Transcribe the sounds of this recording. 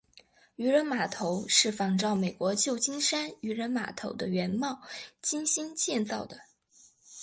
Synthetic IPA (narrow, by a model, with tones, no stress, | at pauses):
y˧˥ɻə˧˥nma˨˩t̪ʰo˧˥ʊʂɻ̩˥˩fɑ˨˩ŋʈ͡ʂɑ˥˩ʊme˨˩ɪkwɔ˧˥t͡ɕjo˥˩ʊt͡ɕi˥ŋʂa˥ny˧˥ɻə˧˥nma̰˨˩t̪ʰo˧˥ʊd̪ə˧ɥɛ˧˥nmɑ˥˧ʊt͡ɕi˥ŋɕi˥nt͡ɕjɛ˥˧nt͡sɑ˥˩ʊd̪ə˩